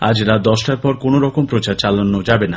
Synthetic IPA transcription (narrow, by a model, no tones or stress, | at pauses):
a̰d͡ʑɾad̪ɔʃʈaɾpɔɾkonoɾɔkompɾot͡ɕaɾt͡ɕalanːod͡ʑabena